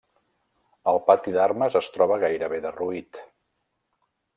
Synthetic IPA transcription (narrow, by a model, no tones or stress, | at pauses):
əlˠpat̪iðarməzəst̪ɾɔβ̞əɣajɾəβeðəruit̪